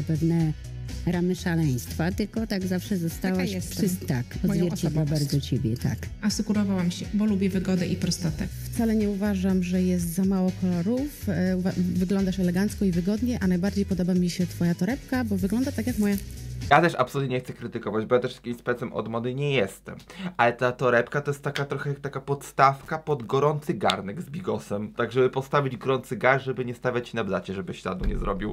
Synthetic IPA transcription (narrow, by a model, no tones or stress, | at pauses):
apɛvnɛ | ɾamɘʂalɛj̃st̪fat̪ɘlkɔt̪aɡzafʂɛzɔst̪awaɕɛsʂt̪akɔzzvjɛɾt͡ɕed̪wabaɾd̪zɔt͡ɕɛbʲjɛt̪a̰k | asukuɾɔvawamɕɛbɔlubʲjɛvɘɡɔd̪ɛʔipɾɔst̪ɔt̪ɛft̪salɛɲɛuvaʐamʐɛjɛs̬t̪zamawɔkɔlɔɾufvavɘɡlɔnd̪aʂɛlɛɡant̪skɔivɘɡɔd̪ɲɛʔanajbaɾd͡ʑejpɔd̪ɔbamʲiɕɛt̪fɔjat̪ɔɾɛpkabɔvɘɡlɔnd̪at̪akʲjakmɔjajat̪ɛʂa̰psɔlut̪ɲʲeɲɛxt̪sɛkɾɘt̪ɘkɔvad͡ʑbɔjat̪ɛʂjakʲimspɛt̪sɛmʔɔ̰d̪mɔnɘɲɛjɛst̪ɛ̰mʔalɛt̪at̪ɔɾɛpkat̪ɔjɛst̪ːakat̪ɾɔxɛt̪akapɔt̪st̪afkapɔd̪ɡɔɾɔnt̪sɘɡa̰ɾnɛɡzbʲiɡɔsɛmt̪aɡʐɛbɘpɔst̪avʲid͡ʑɡɔɾɔnt̪sɘɡaɾʐɛbɘɲɛst̪avʲat͡ɕːinablat͡ɕɛʐɛbɘɕla̰d̪nuɲɛ̰zɾɔ̰bʲiw